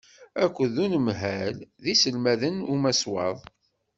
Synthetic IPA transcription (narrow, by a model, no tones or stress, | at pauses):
ækʷːəðunəmɦælðisəlmæðənumæswɑ̰ðˤ